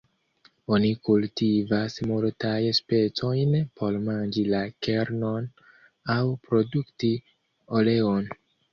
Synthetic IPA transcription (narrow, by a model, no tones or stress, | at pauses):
o̞nikultivasmultajspe̞t͡so̞jnpʰo̞ɾmand͡ʒilake̞ɾno̞n | awpɾo̞dukti | o̞le̞on